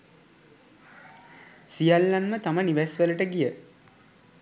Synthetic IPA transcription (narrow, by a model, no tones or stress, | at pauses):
sijalːanmət̪aməniʋæsʋələʈəɡijə